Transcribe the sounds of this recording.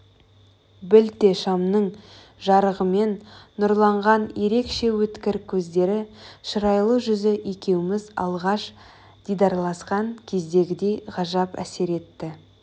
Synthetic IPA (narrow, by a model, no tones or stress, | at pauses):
bɪlt̪e̞ʃɑmnəɴ | ʒɑɾəʁəme̞nːʊɾlˠɑɴʁɑnje̞ɾe̞kʃe̞wɵt̪kʲɪɾkʲʰɵzd̪e̞ɾɪʃəɾɑjlˠəʒʏzɪʔekʲe̞wɪmɪzɑ̰lˠʁɑʃ | d̪̥ijd̪ɑɾlˠɑsqɑŋkʲʰe̞zd̪e̞ɡʲɪd̪e̞jʁɑʒɑpæ̰se̞ɾe̞t̪ːɪ